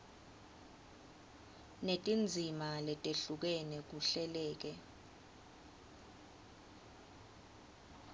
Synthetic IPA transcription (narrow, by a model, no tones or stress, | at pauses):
netʼind͡zʱimalɛtʼeɬuk̬ɛnɛk̬uɬɛlɛːk̬ɛ